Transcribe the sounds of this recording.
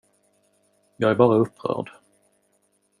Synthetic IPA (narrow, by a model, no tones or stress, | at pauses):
jɑːɡæɾbɑːɾaɵpʰːɾœ̰ːɖ